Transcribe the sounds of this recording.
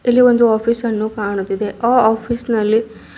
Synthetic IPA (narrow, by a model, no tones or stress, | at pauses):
ilːiʋo̞nd̪uaːpʰisɐnːukaːɳut̪ːid̪e̞aːaːpʰiːsnɐlːi